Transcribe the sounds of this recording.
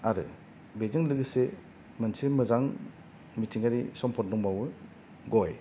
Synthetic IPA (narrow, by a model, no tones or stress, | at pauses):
aɾɯ̰ | bezɯŋlɯɡɯse | mɯnsemɯzaŋ | mitʰiŋaɾisɔmpʰɔtdɔŋbawɯ | ɡɔj